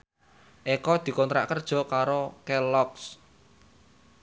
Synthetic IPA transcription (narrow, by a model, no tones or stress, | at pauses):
ʔɛkɔd̪̥i̤kɔnt̪ɾa̰ʔkərd̥ʒ̥ɔ̤kaɾokɛlɔks